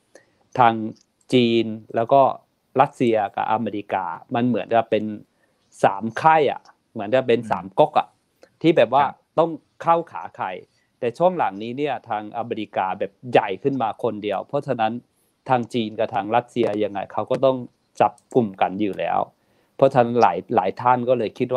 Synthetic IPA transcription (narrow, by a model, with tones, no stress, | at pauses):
t̪ʰaː˧ŋ | t͡ɕiː˧nlɛː˦˥wkɔː˥˩ | ɾa˦˥t̪̚si˧ɐka̰˧˩ʔa˧meː˧ɾi˧ka̰ː˧ma˧nmɯ˩˦ənka˨˩pe˧n | sa̰ː˩˦mkʰa˥˩jʔa̰˨˩ | mɯ˩˦ənka˨˩p̬e˧nsa̰ː˨˩˦mko˦˥k̚ʔa̰˨˩ | t̪ʰiː˥˩bɛː˨˩p̬̚waː˧˥˩t̪ɔ˥˩ŋ | kʰa˥˩wkʰa̰ː˩˦kʰa˧˩j | t̪ɛː˨˩t͡ɕʰu˥˩əŋla˨˩˦ŋniː˦˥ni˦˥˩ɐt̪ʰaː˧ŋʔa˧meː˧ɾi˧kaː˧bɛː˨˩p̚ja˨˩jkʰɯ˥˩nmaː˧kʰo˧ndi˨˧əwpʰɔ˦˥t͡ɕʰa˧na˦˥n | t̪ʰaː˧ŋt͡ɕiː˧nka˧˩t̪ʰaː˧ŋla˦˥t̪̚si˧ɐja˧ŋːa˧˩jkʰa˦˥wkɔː˥˩t̪ɔ˥˩ŋ | t͡ɕa˨˩˦p̚ku˨˩mka˨njuː˨˩lɛ̰ː˦˥w | pʰɔ˦˥˩t͡ɕʰa˧na˦˥nla̰ː˩˦jlaː˩˦jt̪ʰaː˥˩nkɔː˥˩lɤː˧jkʰi˦˥t̪̚wa˥˧